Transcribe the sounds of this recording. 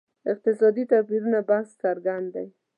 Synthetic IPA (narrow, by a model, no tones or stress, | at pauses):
ɪq̚t̪ɪsɑd̪it̪apiɾunabahskaɾɡand̪aj